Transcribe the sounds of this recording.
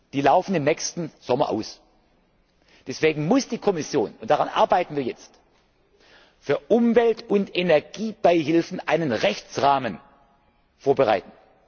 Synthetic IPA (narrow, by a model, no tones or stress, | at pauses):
d̥iːlaʊfn̩ɪmnɛçstn̩z̥ɔmɐ̰ʔa̰ʊs | d̥ɛsv̥eːɡŋ̩mʊsd̥iːkʰɔmɪsjoːnʊntd̥aʁanʔa̰ɐbaɪtn̩viːɐjɛt͡st | fyːɐʔʊmvɛltʊntenɛɐɡiːb̥aɪɦɪlfn̩ʔaɪnənʁɛçt͡sʁaːmən | foːɐbəʁa̰ɪtn̩